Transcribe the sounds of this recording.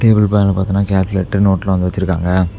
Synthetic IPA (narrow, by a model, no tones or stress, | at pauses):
ʈeːbɪlpaːnlɐpaːɾt̪iŋnːaːkaːlkɯleːʈːnoːʈːɪlɐɐnd̪ɯʋɐt͡ʃːɪɾɯkːa̰ːŋɡɐ